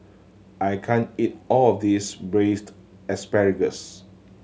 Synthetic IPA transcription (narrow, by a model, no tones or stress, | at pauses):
ʔajkʰãnit̚ɔlɔfdisbɹest | ɛspɛɹiɡəs